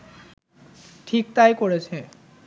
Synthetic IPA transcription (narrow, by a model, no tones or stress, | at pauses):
ʈʰik̚t̪ajkoɹet͡ɕʰe